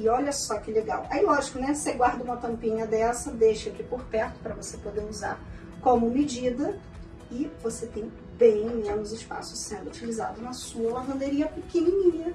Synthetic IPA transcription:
ɪɔʎɐsɔkɪleɡa̰wʔailɔʒikʊnɛseɡwaɾd̪ɐũmɐt̪ɐ̃mpĩɲɐd̪ɛsɐd̪ejʃɐkɪpoɾpɛɾt̪ʊ̥pɾɐvosepod̪euza̰ɾ | kõmʊmid͡ʒid̪ɐ | ɪvoset̪ẽj̃ | bẽj̃mẽnʊzɪspa̰sʊ̥sẽnd̪ʊut͡ʃiliza̰d̪ʊnɐsuɐɐvɐ̃nd̪eɾiɐpikiniɲĩɲɐ

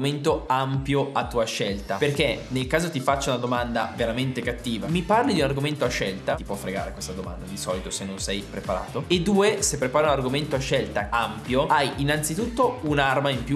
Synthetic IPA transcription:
ment̪oampjoat̪ːuːaʃɛlt̪aperk̟enelkaːzot̪ifat͡ʃːaunad̪omand̪a̰veɾament̪ekat̪ːiːvamiparlid̪iunarɡoment̪oaʃːɛlt̪at̪i̥pwɔfːɾeɡa̰ːɾekwest̪ad̪oma̰nd̪ad̪isɔːlit̪osenːõnsɛjpɾepaɾa̰ːt̪oed̪ːuːesepːɾepaːɾiunarɡoment̪oaʃːɛlt̪aampjoajinːant̪sit̪ut̪ːounarmaimpju

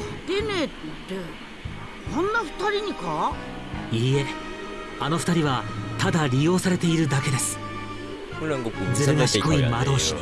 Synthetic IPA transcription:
d̪̥enet̪ːeit̪ːe | õnːaɸɯ̥t̪aɾʲiɲ̟ika | iːe̞ | ano̞ɸɯ̟̥t̪aɾʲiβat̪ad̪aɾʲijo̞ːsaɾe̞t̪e̞iɾɯ̟d̪ake̞d̪e̞sɨ̥ | ɯɾãŋɡozɨɾɯɡɕikoimad̪o̞ːɕi̥

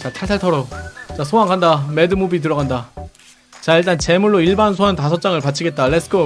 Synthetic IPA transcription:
t͡ɕatʰaɭtʰaɭtʰʌɾot͡ɕasʰoaŋkʰandame̞dɯmubit̬ɯɾʌɡanda | t͡ɕaiɭt͈ant͡ɕe̞muɭːoiɭbansʰoɦantasʰʌt͡ɕ͈aŋɯɭpat͡ɕʰiɡe̞t̚t͈alesɯ̥kʰo

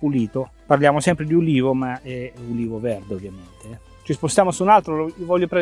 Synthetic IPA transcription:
puliːt̪o | parljaːmosɛmpɾed̪iuliːvomaɛuliːvovɛrd̪eovːjament̪eɛ | t͡ʃispost̪jaːmosuːnalt̪ɾoloovɔʎːopɾɛ

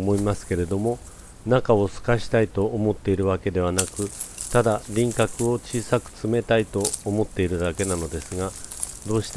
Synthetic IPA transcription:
mo̞imasɨ̥ke̞ɾe̞d̪o̞mo̞ | nakao̞sɨ̥kaɕi̥t̪ait̪o̞ːmo̞t̪ːe̞iɾɯ̟βake̞d̪e̞βanakɯ̟t̪ad̪aɾʲĩŋkakɯ̟o̞t͡ɕiːsakɯ̟̥t͡sɨme̞t̪ait̪o̞ːmo̞t̪ːe̞iɾɯ̟d̪ake̞nano̞d̪e̞sɨɡa | d̪o̞ːɕi̥t̪

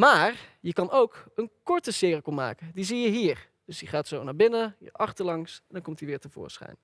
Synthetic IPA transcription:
maːɹjəkɑnowkənkɔɹtəsɪːrikɔma̰ːkədizijəɦiːɹ | d̥øsdiχaːtsownaːɹbɪnəɦḭʔɑχtəɹlɑŋsɛndɑŋkɔmtiʋɪːɹtəvʊ̰ːsχɛ̰jn

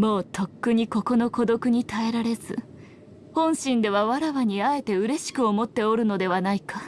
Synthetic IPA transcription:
mo̞ːt̪ʰo̞kːɯ̟ɲ̟iko̞ko̞no̞ko̞d̪o̞kɯ̟ɲ̟it̪ae̞ɾaɾe̞zɨ̰ | hõ̞ɰ̃ɕĩnd̪e̞βaβaɾaβaɲ̟iae̞t̪e̞ɯ̟ɾe̞ɕi̥kɯ̟o̞mo̞t̪ːe̞o̞ɾɯ̟no̞d̪e̞βanaika

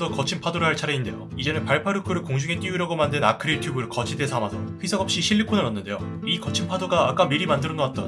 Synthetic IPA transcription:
ʌkʌt͡ɕʰinpʰadoɾɯɦaɭt͡ɕʰaɾeinde̞̰joid͡ʑe̞nɯnpaɭpʰaɾɯkʰɯɾɯɭkoŋd͡ʑuŋe̞t͈iuɾaɡomandɯna̰kʰɯɾitʰuɡɯɯkʌt͡ɕʰide̞sʰamasʰʌɸisʰʌɡʌp̚ɕ͈iɕʰiɭːikʰonɯnʌnːɯnde̞joikʌt͡ɕʰinpʰadoɡaːk͈amiɾimandɯɾʌnoat̚t͈ʌ̰n

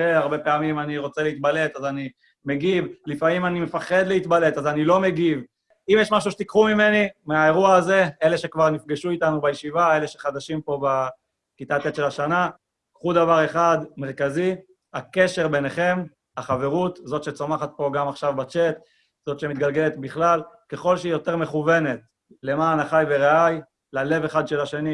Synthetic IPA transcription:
eaʁbe̞peamimaniʁo̞t͡seleit̪̚bale̞t̪azani | meɡivlifamimanimefaχe̞d̪leit̪bale̞t̪azanilo̞me̞ɡiv | imjeʃmaʃ̬uʃet̪ikχumime̞nimeae̞ʁuaːze̞ele̞ʃekvaʁnifɡeʃuit̪anubajeʃivae̞le̞ʃeχad̪aʃimpo̞ba | kit̪at̪et̪ʃe̞laʃana | kχud̪avaʁe̞χad̪me̞ʁkazi | ake̞ʃe̞ʁbe̞neχe̞m | aχave̞ʁut̪zo̞t̪ʃe̞t͡somaχat̪̚po̞ɡamaχʃavbat͡ʃe̞t̪ | z̥o̞t̪ʃe̞mit̪̚ɡalɡe̞let̪biχlalke̞χo̞lʃeijo̞t̪e̞ʁme̞χuve̞ne̞t̪ | le̞maːnaχajveʁeaj | lale̞veχad̪ʃe̞laʃeni

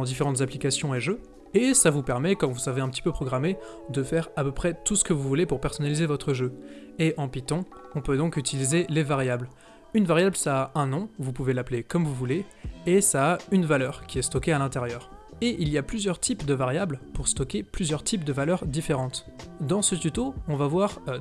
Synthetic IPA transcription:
d̪ifeʁɑ̃t̪zaplikʲasjɔ̃eʒø | esavupɛʁmɛkɔ̃mvusaveɛ̃pət̪ʰi̥pøpχɔɡʁamed̪əfɛʁapøpχɛt̪usə̥kəvuvulepuʁpɛʁsɔnalizevɔt̪χəʒøeʔɑ̃pit̪ɑ̃ɔ̃pød̪ɔ̃kyt̪ilizelevaʁjabl | ynvaʁjablsaːʔɛ̃nɔ̃vupuvelaplekɔmvuvuleesaːynvalœʁkʲiɛst̪ɔkʲealɛ̃t̪eʁjœːʁ | eʔiliaplyzjœʁt̪ʰipd̪əvaʁjablpuʁst̪ɔkʲeplyzjœʁt̪ʰip̚d̪əvalœʁd̪ifeʁɑ̃t̪d̪ɑ̃sət̪yt̪oɔ̃vavwaʁ

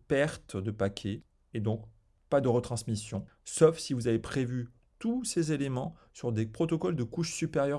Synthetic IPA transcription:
pɛʁt̪d̪əpakʲʰeː | d̪ɔ̃k | pad̪əʁət̪χɑ̃smisjɔ̃sɔfsivuzavepχevy | t̪usezelemɑ̃syʁd̪epχɔt̪ɔkɔld̪əkuʃsypeʁjœ

